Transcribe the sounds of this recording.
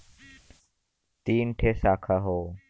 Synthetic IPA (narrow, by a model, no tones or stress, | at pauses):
t̪iːnʈʰesaːkʰaɦoː